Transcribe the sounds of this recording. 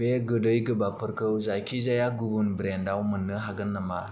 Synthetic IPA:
eɡədəjɡəbapʰəɾkəwzajkʰizajaɡubunbɾendawmənːɯɦaɡənːəma̰

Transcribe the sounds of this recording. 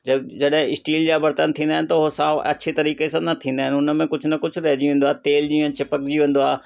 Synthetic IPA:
d͡ʑɐd͡ʑɐɗɦɪ̃ɪsʈiːld͡ʑaːbɐɾt̪ənt̪ʰĩːnd̪aːɪnɪt̪ɐʊɦsaːɐ̰t͡ɕʰet̪ɐɾiːkesãnɐt̪ʰĩːnd̪aːɪnɪʊnə̆mẽkʊd͡ʑʱʊnɐkʊd͡ʑʱʊɾɛɦd͡ʑiʋẽːnd̪aːt̪eːld͡ʑĩːə̃t͡ɕɪpəkd͡ʑiʋẽːn̆d̪oaː

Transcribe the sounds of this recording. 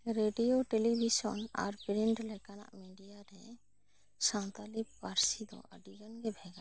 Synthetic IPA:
ɾeɖijoʈelibʱisɔ̰nɔ̰ɾbɾiɳɖlɛkana̰ʔmiɖijaɾɦɛ̃ | sãnt̪alip̚baɾsid̪ɔ̰a̰ɖid͡ʒɔnɡebʱɛɡa

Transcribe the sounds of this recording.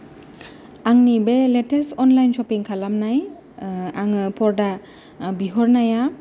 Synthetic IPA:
aŋnibeletesɔnlajnsɔpiŋkʰalamnaj | aŋɯpʰɔɾda | biɦɔɾnaja

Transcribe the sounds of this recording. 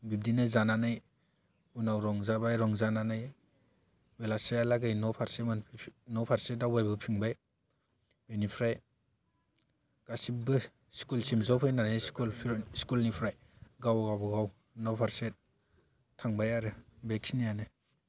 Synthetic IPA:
bib̚dinɯzananɯj | unawɾɔŋzabajɾɔŋzananɯj | belasajalaɡajnɔpʰaɾsemanpʰnɔpʰaɾsedawbajbɯpʰiŋbaj | benipʰɾaj | ɡ̥asibɯ | skulsimzawpʰajnanɯjskulpʰskulnipʰɾaj | ɡawɡawbɯɡaw | nɔpʰaɾset̚ | tʰaŋbajaɾɯbeksinijanɯ

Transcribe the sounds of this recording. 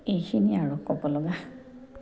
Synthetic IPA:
ejkʰiniaɹʊkɔbɔlɔɡa

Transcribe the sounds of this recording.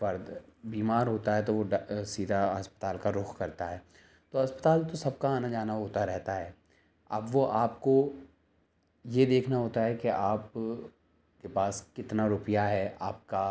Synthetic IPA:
fɐɾd̪biːmaːɾɦoːt̪aɦɛt̪oʋoɖsiːd̪ʱaɦɐspə̥t̪aːlkaɾʊxkɐɾt̪aɦɛː | t̪oɦɐspət̪aːlt̪osɐb̚kaaːnad͡ʒaːnaɦoːt̪aɾɛɦt̪aɦɛː | ɐ̰bʋoʔaːpko | jed̪eːkʰnaɦoːt̪aɦɛkeʔaːp̚ | kepaːskɪt̪naɾʊpijaɦɛʔaːp̚ka

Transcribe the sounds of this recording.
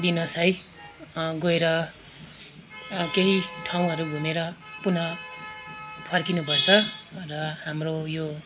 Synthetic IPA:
d̪inʌsaj | ɡoeɾʌ | keɦiʈʰaw̃ɦʌɾuɡʱumeɾʌpunʌ | pʰʌrkinupʌrt͡sʰʌrʌhamrojo

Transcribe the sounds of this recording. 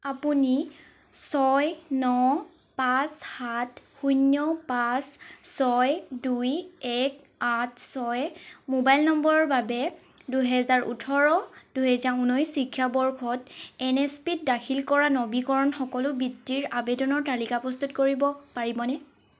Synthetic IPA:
apuni | sɔjnɔ | pashatxujnjɔpasːɔjdujɛk | at̚ʰsɔjmobajlnɔmbɔɹɔɹbabɛ | duɦɛzaɹṵtʰɔɹɔd̥uɦɛzaɹunɔjsikʰːjabɔɹkʰɔtɛnɛspit̚dakʰilkɔɹanɔbikɔɹɔnxɔkɔlʊbitːiɹabɛdɔnɔɹtalikapɔst̪utkoɹibɔpaɹibɔnɛ

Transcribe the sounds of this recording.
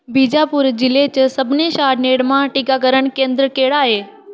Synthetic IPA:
bʱiːd͡ʑapʊɾd͡ʑɪlet͡ɕəsɐbʱɪneʃaːɾneːɽmãʈikak̬əɾəɽ̃kẽːnd̪ɾəkeːɽaːɦeː

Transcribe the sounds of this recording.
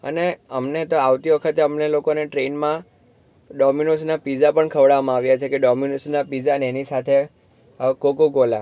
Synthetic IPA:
ə̰neəmnet̪oaʋt̪iʋəkʰət̪eəmnelokoneʈɾenmã | ɖɔminosnapid͡ʒapəɳkʰəʋɽamãaʋjat͡ʃʰekeɖɔminosnapid͡ʒaəneenisat̪ʰe | kokoɡola̰

